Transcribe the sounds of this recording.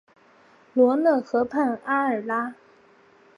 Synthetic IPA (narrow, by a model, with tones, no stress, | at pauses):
lwɔ˧˥nɤ˥˩xɤ˧˥pʰa˥˩na˥ə˞˨˩la˥